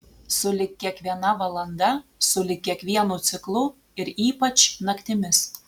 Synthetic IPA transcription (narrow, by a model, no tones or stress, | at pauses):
sʊlʲɪkʲːiɛkʋʲiɛnɑʋɐlˠɐnd̪ɑsʊlʲɪkʲːiɛkʋʲiɛnut͡s̪ʲɪklˠu | ɪɾiːpɐt͡ʃnɐkt̪ʲɪmʲɪs